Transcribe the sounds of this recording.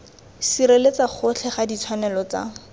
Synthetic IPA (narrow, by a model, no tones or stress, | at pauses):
siɾelet͡saχʊt͡ɬʰɛχadit͡sʰwanɛlɔt͡sa̰